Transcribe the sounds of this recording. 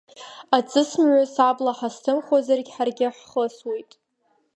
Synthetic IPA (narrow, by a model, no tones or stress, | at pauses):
at͡sʼɨsmʕʷasablaħastʰɨmχazarɡʲħarɡʲɪħχəswejtʼ